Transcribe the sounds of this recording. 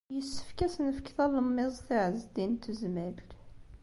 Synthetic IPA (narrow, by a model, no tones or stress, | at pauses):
jəsːə̥fkæsənəfkθɑləmːezˤθəʕəzd̪int̪ʰuzmæl